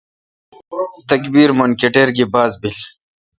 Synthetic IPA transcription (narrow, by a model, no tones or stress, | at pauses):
t̪ɐkbiːɾmɐnkeʈeɾɡibaːzbil